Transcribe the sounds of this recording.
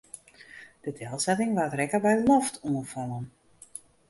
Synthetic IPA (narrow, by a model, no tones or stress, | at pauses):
d̥ədɛlˠsɛtɪŋʋaːtrɛkəbɛjəlɔftʰuənfɔlən